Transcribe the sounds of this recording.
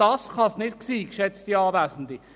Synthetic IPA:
ɑːsχɑsnɪtksiːkʃɛt͡stiɑːvæːsn̩di

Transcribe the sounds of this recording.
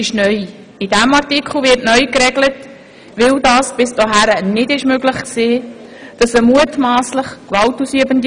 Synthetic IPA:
ɪʃnœj | ɪdæmɑɾtikχl̩ʋɪɾtnœʏkɾɛɡlət | ʋɪldɑːsb̥ɪsdɔɦæɾənɪdɪʃmøɡləχkseː | d̥ɑsəmuətmaːsləχkʋɑltusyəbənd

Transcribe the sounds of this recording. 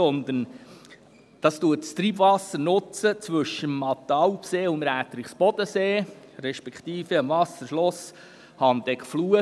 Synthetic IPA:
ɔnd̪ən | d̪̥ɑst̪uətst̪ɾiːbvɑsəɾnʊt͡sət͡sʋʏʃəmɑt̪ɑwpseːʊməɾæːt̪əɾiχsb̥ɔd̪̥əseːɾɛʃpɛkχt̪iːfəəmvɑsəɾʃlɔs | hɑnd̪ɛkfluːə

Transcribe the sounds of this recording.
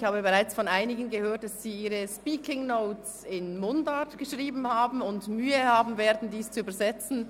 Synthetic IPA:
çhaːbəbeʁaɪt͡sfɔnʔaɪnɪɡənɡəhøːɐt̚d̥assiːiːʁəʃpiːkʰɪŋnoʊt͡s | ɪnmʊndatɡ̥əʃʁiːbn̩haːbm̩ʊntmyːəhaːbn̩veːɐdn̩diːst͡suyːbɐzɛt͡sn̩

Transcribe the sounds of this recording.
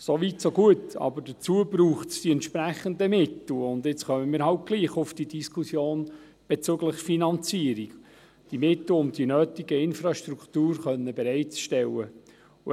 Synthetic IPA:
soʋitsoɡuətɑ̰bəɾdət͡suəbɾuːχtsd̥iɛntʃpɾæχənd̪əmɪt̪l̩ʊnd̪ɪt͡sχœməmiːɾɦɑlt̚ɡ̥liːχʊfd̥id̥iskusjoːn | b̥ɛt͡søɡləχfinɑnt͡siəɾik | d̥imɪtl̩ʊnd̥inøːt̪iɡəɪnfɾɑʃtɾuktuːɾχœnːəbɛɾɛɪtt͡sʃtɛlːə

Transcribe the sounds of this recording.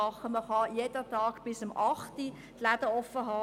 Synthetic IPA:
ɑχəməχɑjeːd̥ətɑːɡb̥ɪsəmʔɑχti | tlæd̥əɔfəɦɑː

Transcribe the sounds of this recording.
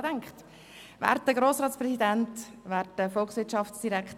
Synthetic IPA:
tɛŋkχt | væ̰ːɾtdəɡɾoːsɾɑːtspɾɛsidænt | væːɾtːəfɔlksʋvɪtt͡ʃɑftsd̥iɾɛkχt

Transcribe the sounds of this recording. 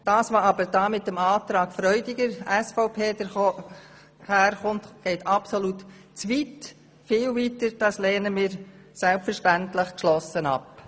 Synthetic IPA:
d̥ɑːsʋɑɑbəɾd̥ɑːmɪtəmɑːt̪ɾɑːɡ̥fɾœʏdɪɡəɾæsfɔʊpʰeːdəɾ | hæːɾχʊntɡ̥ɛɪtɑpsɔlut | t͡sʋit | fɪːlvitəɾd̥ɑːsleːnəmɪːɾsɛlpfəɾʃtæntlɪχkʃlɔsənɑ̰p

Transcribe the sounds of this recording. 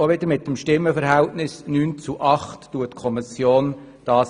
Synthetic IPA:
oʋɪd̪əɾmɪt̪ːəmʃtɪmːəfəɾɦɛltnɪsnyːnt͡suʔɑχtːuətkʰɔmɪsjoːn | d̥ɑːs

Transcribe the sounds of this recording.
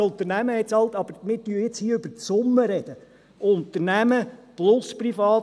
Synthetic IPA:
ʊnt̪əɾnæməhɛt̪sɑlˠt̪ɑb̥əɾmɪːɾtyːjɪt͡shiːʏb̥əɾt͡sʊmːəɾɛd̥̪ə | ʊnt̪əɾnæməplʊsprifɑː

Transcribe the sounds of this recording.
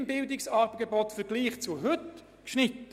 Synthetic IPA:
mbɪldɪksɑːbɡebɔtfəʁɡliːχt͡suɦɵt | kʃnɪtːə

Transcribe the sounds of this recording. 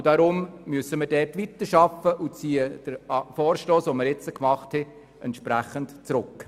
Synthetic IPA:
d̥ɑɾʊmmyəsəməɾdɛɾtʋitəɾʃɑfːəʔʊt͡siːəd̥əɾɑfoːɾʃtoːsʋoməɾjɛt͡səkmɑχthɛ | ɛntʃpɾæχəntt͡sɾʊk

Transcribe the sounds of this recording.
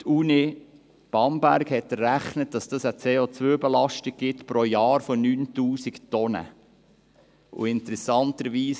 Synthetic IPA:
tʰuni | b̥ɑmbæɾɡhɛtːəɾæχnət̚d̥ɑsd̥ɑsət͡seːot͡sʋøːbɛlɑʃtɪɡ̚ɡ̥ɪtpɾɔjɑːɾfɔnyːntuːsiktɔnə̰ | ʊ̰ɪntəɾɛsɑntəɾʋiːs

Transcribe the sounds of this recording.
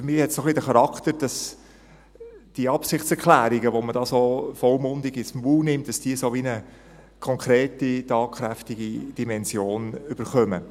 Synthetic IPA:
fmɪːhɛtsoχlidəχɑɾɑkt̪əɾd̥ɑs | d̥iəɑpsɪχtt͡sɛɾkʰlæːɾiɡəʋomədɑːsoːfɔlmʊndɪɡɪsmvuːlnɪmt̚d̥ɑsd̥iəsoʋinə | kʰɔŋkɾeːtitɑːkχɾæftiɡid̥imɛnsjoːnʏb̥əɾχœmə

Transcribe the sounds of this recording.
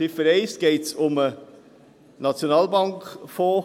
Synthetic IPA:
ɪfəɾeɪsɡ̥eɪtsʊmə | nɑt͡sjonɑːlbɑŋkfoː

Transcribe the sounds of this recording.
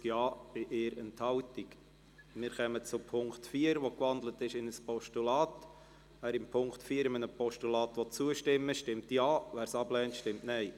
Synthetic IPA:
kjɑːb̥ɪʔɪːɾənthɑltik | mɪːɾχœmət͡sʊpʰʊŋktfiːəɾʋokʋɑnd̪lətɪʃɪnəspɔʃtulɑːt | æːɾɪmpʰʊŋktfiːəɾɪmənəpɔʃtulɑːt̪ʋot͡suəʃtɪmːəʃtɪmtjɑːʋæːɾsɑblɛːntʃtɪmtnɛɪ

